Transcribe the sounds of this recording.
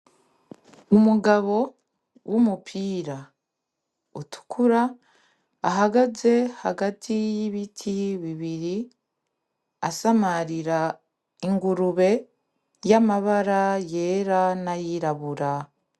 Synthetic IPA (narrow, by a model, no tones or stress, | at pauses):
umuɡaβo̞ | wʔumupʰiːɾa | otʰu̥kʰuɾaː | ɦaɡaze̞haɡatʰijiβitʰiβiβiɾi | asamaɾiɾa | iŋɡuɾuβe̞ | jamaβaɾaje̞ːɾanajiɾaβuɾa